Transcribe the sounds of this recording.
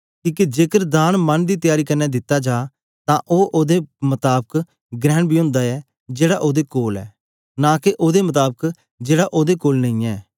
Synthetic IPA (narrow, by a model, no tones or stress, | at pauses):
kĩːked͡ʒeːkəɾd̪aːnmənd̪iːt̪ɪjaːɾiːkənːɛːd̪ɪt̪ːad͡ʒaː | t̪ãːʔoːʔoːd̪eːmət̪aːbək | ɡɾɛ̃ːɳbʱiːɦʊ̃ːnd̪aːɛː | d͡ʒeːɽaʔoːd̪eːkoːlɛ̰ː | naːkeʔoːd̪emət̪aːbək | d͡ʒeːɽaʔoːd̪eːkoːlnə̃ĩːɛː